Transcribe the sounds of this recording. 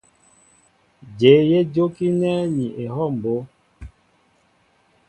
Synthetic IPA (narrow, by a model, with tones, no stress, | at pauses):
d͡ʒe˨˦je˦d͡ʒo˦ki˦nɛ˦ɲi˨ʔe˨ɦɔ˦˨m̩˨bo˨˦